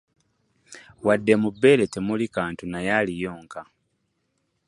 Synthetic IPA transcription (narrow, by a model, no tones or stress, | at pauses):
wadːe̞mubːe̞ːle̞temulikaːntunajalijo̞ːŋka